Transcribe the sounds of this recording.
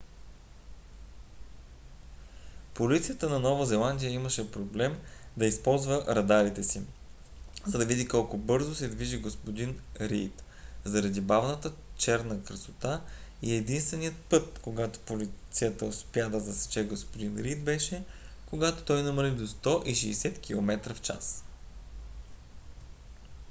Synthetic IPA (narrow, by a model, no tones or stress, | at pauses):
polit̪sijət̪ənɐnɔvɐzɛlˠand̪ʲijəiməʃɛpɾoblɛmd̪ɐispɔlˠzvəɾɐd̪aɾit̪ɛsi | zɐd̪ɐvid̪ikɔlˠkobɤɾzosɛd̪viʒiɡospod̪inɾḭt̪ | zɐɾɐd̪ibavnət̪ət͡ʃɛɾnəkɾɐsot̪aiɛd̪inst̪vɛnijət̪̚pɤt̪̚koɡat̪o̥politt̪sijət̪əʊspʲjad̪ɐzɐsɛ̥t͡ʃɛɡospod̪inɾit̪̚bɛʃɛ | koɡat̪o̥t̪ɔjnəməɾid̪ost̪ɔʔiʃɛːsɛt̪kʲilˠomɛt̪ɾəft͡ʃa̰s